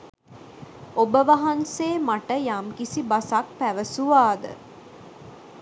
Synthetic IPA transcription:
obəʋaɦaŋseːmaʈəjamkisibasak̚pæʋəsuʋaːd̪ə̰

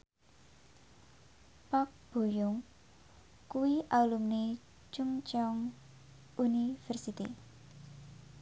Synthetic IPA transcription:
pak̚b̥o̤jʊŋ | kuwiʔalumne | t͡ʃuŋt͡ʃɔŋ | ʔunifɛrsit̪i

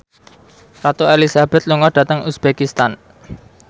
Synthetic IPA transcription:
rat̪oelisab̥ɛ̤t̪̚luŋɔɖ̥ä̤t̪əŋusb̥ekist̪an

